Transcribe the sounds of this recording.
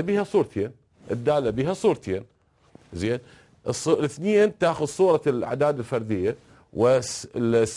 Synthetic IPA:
abiːhasˤuːɾˤt̪ʰjen | ʔɪ̰d̪ːaːlːabiːɦasˤuːɾt̪ʰjen | zeːn | ʔsˤlɪθneːnt̪aːxʊd̪sˤuːɾˤɑla̰ʕd̪aːd̪ɪlfɑɾˤd̪ɪjːa | wɪ | s

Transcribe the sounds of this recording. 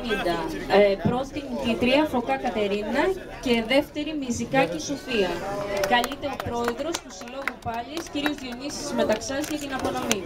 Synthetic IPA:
ind̪ɐpɾo̞t̪int̪it̪ɾiɐfo̞kɐkɐt̪e̞ɾinɐ | ce̞ðe̞ft̪e̞ɾimizikɐcesofiɐkɐlit̪e̞o̞pɾo̞e̞ðɾo̞st̪usilo̞ɣupɐʎisciɾiozðionisi̥zme̞t̪ɐksɐzcɐt̪inɐpo̞no̞mi

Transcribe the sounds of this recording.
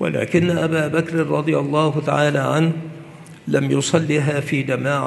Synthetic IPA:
wa̰la̰ːkɪnːaʔabaːbakɾɾˤɑd̪ˤɨjalˤːɑːhʊt̪a̰ʕaːlaːʕanh | lamjʊsˤɑlːiɦaːfiːd͡ʒ̪amaːʕ

